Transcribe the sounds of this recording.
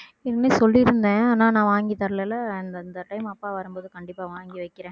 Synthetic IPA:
ɪɾnesɔlːiɾɯnd̪ẽːaːnaːnãːʋaːŋɡit̪ɐɾlɛlɐɐnd̪ɐnd̪ɐʈɐɪmɐpːaːʋɐɾɯmboːðɯkɐɳɖɪpːaːʋaːŋɡiʋɐɪkːɪɾẽː

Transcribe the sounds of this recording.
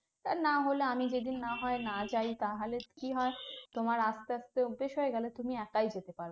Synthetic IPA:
t̪aɾnaɦoleamid͡ʑed̪inːaɦɔenad͡ʑajt̪aɦalekiɦɔet̪omaɾast̪aast̪eobeʃɦoeɡɛlet̪umiɛkajd͡ʑet̪epaɾo

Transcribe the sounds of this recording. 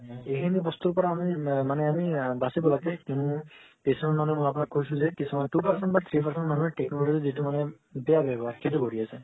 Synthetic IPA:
ejkʰinibɔst̪uɹpɔɹaːmimanɛamibasibɔlaɡɛkunũ | pesɔnɔmanɔjmɔjap̬unakːkoisũzɛkisimatupaɹsɛntbat̪ʰɹipaɹsɛnmanuɛɹʈɛknoloʈituzitumanɛ | bɛjabɛbaɹkʰetukoɹiasɛ

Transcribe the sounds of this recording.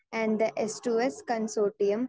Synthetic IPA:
æ̃ɳɖd̪əʔesʈuːeskɐ̃nsoːʈiə̃m

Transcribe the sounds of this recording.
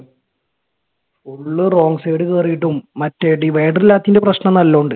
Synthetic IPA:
uɭːɨro̞ːŋɡseːɽɨkeːrijiʈːumːɐtːeːʈːiʋe̞ːɖrilːaːt̪ːinde̞prɐɕɳɐmnɐlːɐːɳɖɨ

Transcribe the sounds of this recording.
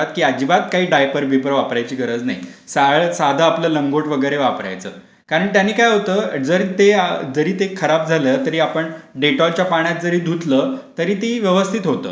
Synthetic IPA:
at̪̚kiːad͡ʑibat̪̚kaɦiːɖajpəɾbʱipɾəʋapɾajt͡ɕiːɡəɾəd͡zna̰jsaɭəsad̪ʱəapləːləŋɡoʈʋəɡəjɾeʋapɾa̰jt͡sə̰ː | kaɾəɳt̪janːiːkajɦot̪əd͡zəɾit̪ed͡zəɾiːt̪ekʰəɾap̚d͡zʱalət̪əɾiːapəɳɖeʈɔlt͡ɕjapaɳ̃jat̪̚d͡zəɾiːd̪ʱut̪lət̪əɾiːt̪eiʋjəʋəst̪ʰit̪ɦot̪ə̰ː

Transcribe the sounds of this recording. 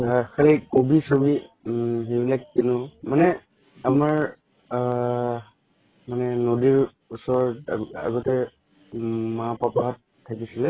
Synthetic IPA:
xalikobisobiɦebilak̚dinʊmanɛ | amaɹ | manɛnodiɹ | usɔɹa̰ɡɔtɛ | mapapaɦatʰːakisilɛ

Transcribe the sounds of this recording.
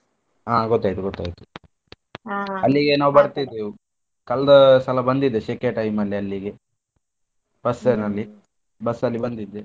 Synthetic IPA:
aːɡot̪ːaːjt̪uɡot̪ːa̰ːjit̪u̥ | ɐlːiɡenaːʋubɐɽt̪ijd̪ːeu | kɐlɐd̪ɐsɐlɐbɐnd̪id̪ːeʃekeʈɐjmɐlːiɐlːiɡe | b̥ɐsenɐlːi | bɐsɐlːibɐnd̪id̪ːe

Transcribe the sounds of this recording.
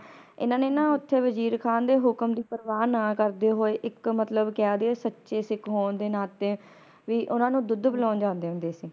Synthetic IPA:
ɪ̰nãːneːnãːʊt̪ʰːeːʋəd͡ʒiːɾkʰaːnd̪eːɦʊkəmd̪iːpəɾʋaːnãːkəɾd̪eːɦoːeːʔɪkmət̪ləbkɪaːd̪eːsətːʃeːsɪkɦoːɳd̪eːnãːt̪eː | ʋiːʔʊnãːnũːd̪ʊd̪bəlãːnd͡ʒãːnd̪eːɦʊ̃nd̪eːsiː

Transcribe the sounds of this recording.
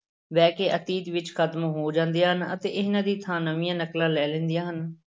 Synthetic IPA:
ʋɛːkeːʔət̪iːt̪ʋɪt͡ʃkʰət̪mɦoːd͡ʒãːnd̪ijaːɦənə̰t̪eːʔɪɦnãːd̪iːt̪ʰãːnəʋɪjãːnəklaːlɛːlɛ̃ːnd̪ɪjãːɦən

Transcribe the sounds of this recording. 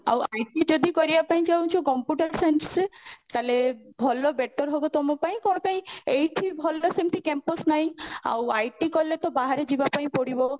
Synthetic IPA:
a̰wajʈid͡ʒɔd̪ikɔɾibapaĩd͡ʒawt͡ʃʰɔkɔmpjuʈaɾsenset̪alebʱɔlːɔbeʈːɔɾɦobɔt̪ɔmɔpaĩkɔñɔpaĩejʈʰibʱɔlːɔsemʈ̪ʰikempɔsnaɦĩa̰wajʈikɔlːet̪ɔbaɦaɾed͡ʒibapaĩpɔɽibɔ

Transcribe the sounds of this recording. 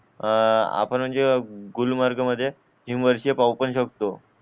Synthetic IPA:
a̰pəɳm̤əɳd͡zeɡulmaɾɡəməd̪ʱːje | imʋəɾɕiepawpəɳɕəkt̪o

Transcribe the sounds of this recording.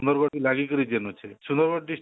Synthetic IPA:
nd̪ɔɾɡɔʈilaɡikɔɾid͡ʒenut͡ʃʰeʃund̪ɔɾɡɔʈ̚ɖisʈ

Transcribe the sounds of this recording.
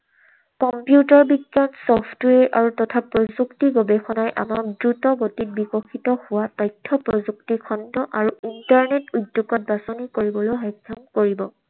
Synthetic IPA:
kɔmpjutɔɹbiɡjansɔpʰtweɹʔa̰ɹutɔtʰapɹɔzuktiɡobexʰɔnajʔa̰mak̚dɹutɔɡotit̚bikɔxʰitɔhʊwatɔjtʰːɔpɹɔzuk̚tikʰɔndɔʔaɹuintaɹnetudːuɡɔt̚basonikoɹibɔlojɦɔjkʰːɔmkoɹibɔ

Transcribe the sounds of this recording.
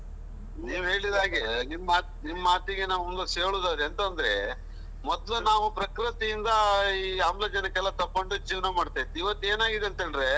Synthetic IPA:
niːʋɦe̞ːɭid̪aːɡenimːaːnimːɐaːt̪iɡenaːʋumluseːɭuːd̪aːɾɐnt̪ɐnd̪ɐɾe | mɔd̪lunaːʋupɾɐkɾit̪ijind̪ɐiːaːmlɐːd͡ʒɐnɐkːɛlːɐt̪ɐpːoɳɖud͡ʒiːʋɐnɐmaːɖt̪ajit̪ːiʋɐt̪ːe̞ːnaːɡid̪eɐnt̪ɐɳɖɾe

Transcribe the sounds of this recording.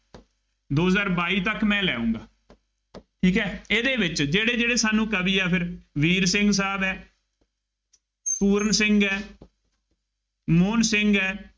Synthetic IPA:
d̪oːzaːɾbaːiːt̪əkmɛ̃ːlɛːũːŋɡaː | ʈʰiːkɛːeːd̪eːbɪt͡ʃd͡ʒeːɽeːd͡ʒeːɽeːsaːnũːkəbiːaːpʰɪɾʋiːɾsɪ̃ŋɡsaːbɛː | puːɾənsɪŋɡɛː | moːnsɪŋɡɛː

